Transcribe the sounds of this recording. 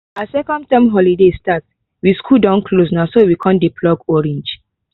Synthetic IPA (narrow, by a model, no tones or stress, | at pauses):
asɛkɔ̃n̚tãmɦɔlidestat | wiskʰudãʊ̃nklos̬nasowikʰɔ̃ndipʰlɔɡɔɹɛ̃nd͡ʒ